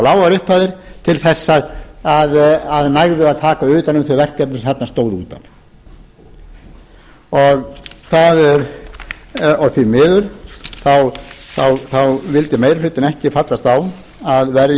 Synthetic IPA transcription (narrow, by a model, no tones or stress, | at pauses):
laːwvaɾʏhpaðɪɾ̥t̪ʰɪlθɛsːaðaðaðnajɣðʏaðt̪ʰaːkaʏːt̪anʏmθœvɛr̥cɛpnʏshat̪nast̪oːwðuːt̪a̰n | ɔɣθaðɛɾ | ɔθvimɪːðʏɾ̥θawθawθawvɪlt̪ɪmejɾfɾɪt̪ːɪnɛhcɪfat̪last̪aw | aðvɛɾ